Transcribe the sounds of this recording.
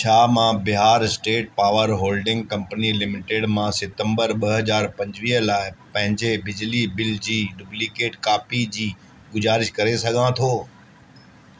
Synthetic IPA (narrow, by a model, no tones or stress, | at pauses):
t͡ɕʰaːmãbɪɦaːɾɪsʈeːʈ̚paːʋəɾɦoːlɖɪ̃ŋɡ̚kɐ̃mpənilɪmɪʈeːɽmãsɪt̪ə̃mbəɾɓɐɦɐzaːɾpɐ̃ɲd͡ʑʋiːɦəlaːɪpɐ̃ɦɪ̃ɲd͡ʑebɪd͡ʑlibɪld͡ʑiːɖʊblikeːʈkaːpid͡ʑiː | ɡʊzaːɾɪʃkɐɾesɐɡʱãt̪ʰoː